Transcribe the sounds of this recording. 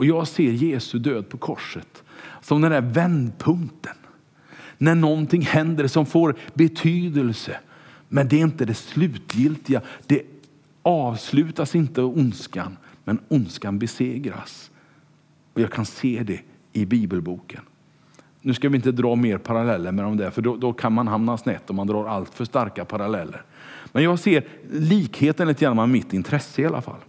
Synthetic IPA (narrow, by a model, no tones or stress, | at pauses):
ɔjɑːɡseːɾjeːsɵd̪øːd̪̚pʰɔkʰɔʂət̪sɔmd̪ɛnd̪æɾvɛnd̪pʰɵŋt̪ʰə̥nː | æɳɔnt̪ʰɪŋːhɛnd̪əɾsɔmfoːɾbɛt̪ʰyːd̪əlsə | mɛnd̪ɛɾɪnt̪əd̪ɛslʉ̟ːt̪jɪlt̪ɪɡad̪̥ɛ | ɑːvslʉ̟ːt̪asɪnt̪əʊnska̰n | mɛnʊnskanbɛseːɡɾa̰s | ɔjɑːɡkʰanseːd̪ɛ | ɪbiːbəlbuːkʰən | nːʉ̟ːskavɪɪnt̪əd̪ɾɑːmeːɾpʰaɾalɛlːəɾmɛd̪ɔmd̪ɛɾfœɖɔd̪ɔkʰanmanɦamnasnɛt̪ːɔmand̪ɾɑːɾalt̪fœʂt̪aɾkapʰaɾalɛlːə̰ɾ | mɛnjɑːɡseːɾliːkheːt̪ənliːt̪əɡɾanːaamɪt̪ːɪnt̪ʰɾɛsːəɪalʔa̰fa̰lː